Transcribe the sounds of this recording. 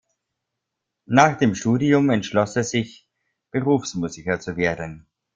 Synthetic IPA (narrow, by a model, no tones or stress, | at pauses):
naːχd̥eːmʃtuːdiʊmɛntʃlɔsɛsz̥ɪç | b̥əʁuːfsmuːzɪkɐt͡suveːɐdn̩